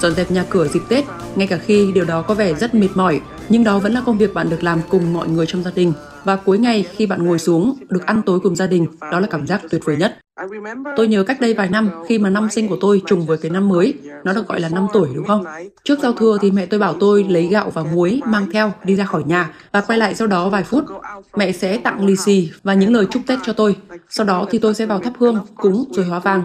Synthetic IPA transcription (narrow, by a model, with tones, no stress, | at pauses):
zɔ̰˧˨nzɛ˨˩p̚ɲaː˨˩kɨ˧˩əzi˨˩k̟̚t̪e˦˥t̚ŋa˧jkaː˧˩xi˧ɗi˨˩əwɗɔ˨˦kɔ˨˦vɛ˧˩zə˦˥t̚mi˨˩t̚mɔ˧˩j | ɲɨ˧ŋɗɔ˨˦və̰˧˥nlaː˨˩kə˧wŋ͡mvi˨˩ək̚ɓa̰ː˧˨ɗɨ˨˩ək̚laː˨˩mkʊ˨˩ŋ͡mmɔ̰˧˨jŋɨ˨˩əjt͡ɕɔ˧wŋ͡mzaː˧ɗï˨˩ŋ̟ | vaː˨˩ku˨˦jŋa˨˩jxi˧ɓa̰ː˧˨nŋo˨˩jsu˨˦əŋɗɨ˨˩ək̚ʔa˧nt̪o˨˦jkʊ˨˩ŋ͡mzaː˧ɗï˨˩ŋ̟ɗɔ˨˦laː˨˩kaː˧˩mzaː˦˥k̚t̪wi˨˩ət̚vuː˨˧˩jɲə˦˥t̚ | t̪o˧jɲəː˨˦ka˦˥k̟̚ɗə˧jvaː˨˩jna˧mxi˧maː˨˩na˧msï˧ŋ̟ku˧˩ət̪o˧jt͡ɕʊ˨˩ŋ͡mvəː˨˦jkaː˨˦jna˧mːəː˨˦jnɔ˨˦ɗɨ̰˨˩k̚ɣɔ̰˧˨jlaː˨˩na˧mt̪u˧˩əjɗɨ˨˦əwxə˧wŋ͡mt͡ɕɨ˦˥ək̚za˧wt̪ʰɨ˧ət̪ʰi˨˩mɛ̰˧˨t̪o˧jɓaː˧˩wt̪o˧jlə˨˦jɣa̰ː˧˨wvaː˨˩wŋu˨˦əjmaː˧ŋt̪ʰɛ˧wɗi˧zaː˧xɔ˧˩jɲaː˨˩vaː˨˩kwa˧jla̰ː˧˨jsa˧wɗɔ˨˦vaː˨˩jfu˦˥t̚mɛ̰˧˨sɛ̰˧˥t̪a̰˧˨ŋli˨˧˩si˧˩vaː˨˩ɲɨ̰˧˥ŋləː˨˩jt͡ɕʊ˦˥k͡p̚t̪e˦˥t̚t͡ɕɔ˧t̪o˧jsa˧wɗɔ˨˦t̪ʰi˨˩t̪o˧jsɛ̰˧˥vaː˨˩wt̪ʰa˦˥p̚hɨ˧əŋkʊ̰˧˥ŋ͡mzo˨˩jhwaː˨˦vaː˨˩ŋ